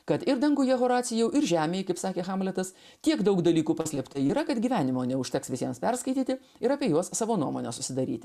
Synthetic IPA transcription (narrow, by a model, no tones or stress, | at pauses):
kɐt̪ɪɾd̪ɐŋɡuːjɛɦoːɾɑːt̪sʲɪjɛʊʔɪɾʒʲæːmʲeːjkɐɪpsɑːkʲeːxɑmlʲɛt̪ɐs | t̪ʲiɛkd̪ɐʊkd̪ɐlʲiːkuːpɑːsʲlʲɛpt̪ɐɪiːɾɐkɐt̪ɡʲiːʋʲæːnʲɪmoːnʲɛʊʃʲt̪ʲɛksʋʲɪsʲiɛmspʲɛɾskɐɪt̪ʲiːt̪ʲɪ | ɪɾɑːpʲieːjuɔssɑːʋoːnuɔmoːnʲɛsʊ̥sʲɪd̪ɐɾʲiːt̪ʲɪ